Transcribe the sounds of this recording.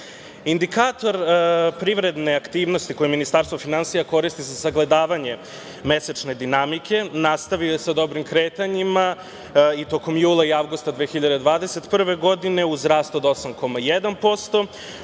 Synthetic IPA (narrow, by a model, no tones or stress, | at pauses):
ind̪ikaːt̪o̞ɾpɾiʋɾe̞d̪ne̞akt̪iːʋno̞st̪iko̞jeminist̪aːɾst̪ʋofinansijako̞ɾist̪izasaɡle̞d̪aːʋaɲe̞ | me̞set͡ʃne̞d̪inamikʰe̞nast̪aʋiojesad̪o̞bɾimkɾeːt̪aɲima | it̪o̞ko̞mjuːlˠaiaʋɡust̪ad̪ʋeːxiʎad̪ed̪ʋaːd̪ese̞t̪pr̩ʋe̞ɡo̞d̪ine̞uzɾaːst̪o̞d̪o̞samko̞majed̪anpo̞st̪o̞